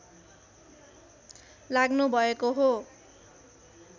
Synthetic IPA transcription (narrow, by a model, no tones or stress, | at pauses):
laɡnubʱʌekoɦo